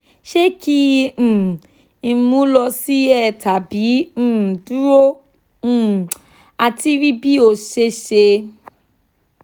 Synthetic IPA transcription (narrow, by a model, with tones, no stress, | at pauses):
ʃe˦kĩ˦˨ | i˦˨˦mũ˦lɔ˧si˦ɛ˦˨tʰa˨bĩ˨˦˨du˦ɾõ˦˨ | a˧ti˦ɾi˦bi˦o˨se˦ʃe˧